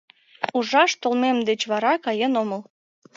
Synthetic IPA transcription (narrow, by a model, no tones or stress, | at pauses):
uʒɑʃt̪olmemd̪et͡ɕβɑɾɑkɑjenoməl